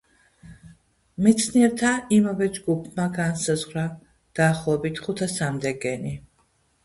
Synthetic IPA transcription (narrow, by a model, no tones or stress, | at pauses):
mɛt̪sʰniɛɾt̪ʰaimavɛd͡ʒɡupʰmaɡansazʁɾa | d̪̥aːχlˠɔɛbit̪ʰχut̪ʰasamd̪ɛɡɛni